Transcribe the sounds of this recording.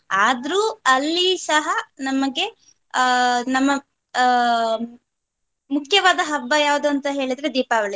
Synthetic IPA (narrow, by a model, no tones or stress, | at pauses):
aːd̪ɾuːɐlːisɐɦɐnɐmɐɡe̞ | nɐmːɐ | mukʰjɐʋaːd̪ɐɦɐbːɐjaːʋud̪uɐnt̪ɐɦe̞ːɭid̪ɾed̪iːpaːʋɐɭi